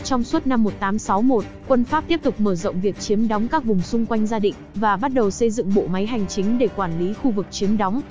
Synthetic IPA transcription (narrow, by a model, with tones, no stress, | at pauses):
t͡ɕɔ˧wŋ͡mswə˦˥t̚na˧mːo˨˩t̚t̪aː˨˦msa˨˦wmo˨˩t̚kwə˧nfaː˦˥p̚t̪i˦˥əp̚t̪ʊ˨˩k͡p̚məː˧˩zə̰˧˨wŋ͡mvi˨˩ək̚t͡ɕi˨˦əmɗɔ˨˦wŋ͡mkaː˦˥k̚vʊ˨˩ŋ͡msʊ˧ŋ͡mkwa˧jŋ̟zaː˧ɗḭ̈˧˨ŋ̟vaː˨˩ɓa˦˥t̚ɗə˨˩wsə˧jzɨ̰˧˨ŋɓo̰˧˨ma˨˦jɦa˨˩jŋ̟t͡ɕï˨˦ŋ̟ɗe˧˩kwaː˧˩nli˨˦xu˧vɨ˨˩k̚t͡ɕi˨˦əmɗɔ˨˦wŋ͡m